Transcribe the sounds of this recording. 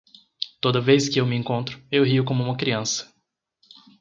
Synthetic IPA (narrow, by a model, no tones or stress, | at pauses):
t̪od̪ɐvejskɪewmɪẽkõnt̪ɾʊewɦiʊkõmʊũmɐkɾiɐ̃sɐ̥